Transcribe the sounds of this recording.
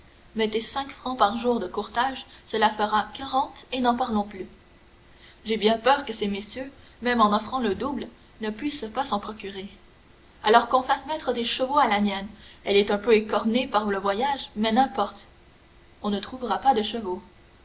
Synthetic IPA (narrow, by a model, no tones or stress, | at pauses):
mɛt̪esɛ̃kfχɑ̃paʁʒuːʁd̪əkuʁt̪aʒsəlafəʁakaʁɑ̃t̪enɑ̃paʁlɔ̃ply | ʒebjɛ̃pœːʁkəsemesjø | mɛmɑ̃nɔfχɑ̃ləd̪ubl | nəpɥispasɑ̃pχɔkʲyʁe | alɔʁkɔ̃fasmɛt̪χəd̪eʃəvoalamjɛnɛlɛt̪œ̃pøekɔʁnepaʁləvwajaʒmɛnɛ̃pɔʁt̪ | ɔ̃nət̪χuvʁapad̪əʃəvo